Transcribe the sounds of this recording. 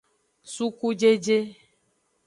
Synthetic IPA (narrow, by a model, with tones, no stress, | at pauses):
su˦ku˦d͡ʒe˦d͡ʒe˦